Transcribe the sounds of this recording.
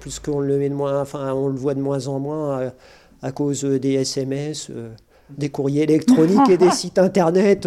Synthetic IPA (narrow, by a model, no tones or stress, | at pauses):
plyskɔ̃ləmɛd̪əmwɛ̃ɑ̃fɛ̃ɔ̃ləvwad̪əmwɛ̃zɑ̃mwɛ̃ø | akozød̪eɛsɛmɛsø̰ | d̪ekuʁjeːlɛkt̪χɔniked̪esit̪ɛ̃t̪ɛʁnɛt̪